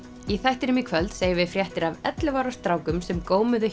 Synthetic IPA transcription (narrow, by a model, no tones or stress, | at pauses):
iθajht̪ɪɾɪmikʰvœlt̪seːjɪvɪfɾjɛht̪ɪɾavɛ̰t̪lɪvaːɾast̪ɾaːwkʏmsɛmkoːwmʏðʏ